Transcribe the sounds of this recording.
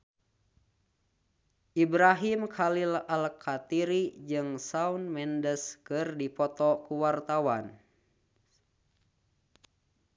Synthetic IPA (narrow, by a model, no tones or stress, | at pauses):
ʔibɾaɦimkʰalilalkʰat̪iɾid͡ʒɨŋsaunmɛndəskɨrdipɔt̪ɔkuwart̪awan